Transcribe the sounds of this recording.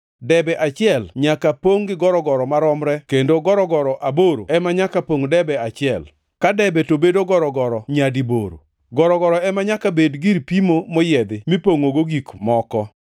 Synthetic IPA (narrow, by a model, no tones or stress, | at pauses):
dɛbɛʔat͡ʃɪɛlɲakapoŋɡɪɡɔɾɔɡɔɾɔmaɾɔmɾɛkendoɡɔɾɔɡɔɾɔʔaboɾo̰ɛmaɲakapoŋdɛbɛat͡ʃɪɛl | kadɛbɛtobedoɡɔɾɔɡɔɾɔɲadibo̰ɾo̰ | ɡɔɾɔɡɔɾɔɛmaɲakabedɡiɾpimomɔjɛd̪ɪmipoŋoɡoɡikmɔkɔ